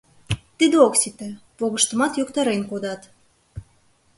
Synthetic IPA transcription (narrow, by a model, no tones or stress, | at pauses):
t̪id̪eoksit̪ĕpoɣəʃt̪ə̆mɑt̪jokt̪ɑɾenkod̪ɑt̪